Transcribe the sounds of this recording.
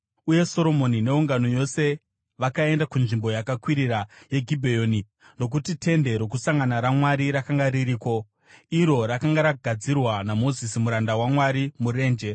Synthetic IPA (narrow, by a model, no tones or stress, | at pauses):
uje̞so̞ɾo̞mo̞nine̞uŋɡano̞jo̞se̞ | ʋakae̞ndakunʐimbo̞jakakwiɾiɾaje̞ɡʱibʱejoːni | no̞k̬utite̞nde̞ɾo̞k̬usaŋɡanaɾamwaɾiɾakaŋɡaɾiɾiːko̞ | iɾo̞ɾakaŋɡaɾaɡʱad͡zirwanamo̞zisimuɾandawamwaɾimuɾe̞ːnd͡ʒe̞